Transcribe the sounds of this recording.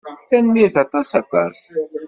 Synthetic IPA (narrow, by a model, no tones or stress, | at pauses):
θænmiθɑt̪ˤɑsɑt̪ɑ̰ɾs